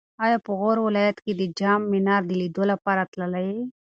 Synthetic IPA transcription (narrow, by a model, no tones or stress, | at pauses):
ɑjɑpəɣoɾwɪlɑjat̪ked̪əd͡ʒɑmːɪnɑɾd̪əlid̪olapɑɾat̪ləlaje